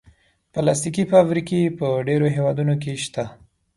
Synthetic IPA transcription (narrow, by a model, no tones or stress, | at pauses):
palast̪ikifabɾikepəɖeɾoɦewɑd̪unokeʃt̪a